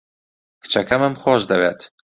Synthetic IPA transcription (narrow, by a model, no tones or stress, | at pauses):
kʰɨ̥t͡ʃɐkʰɐməmxwɔːʃd̪ɐweːt̪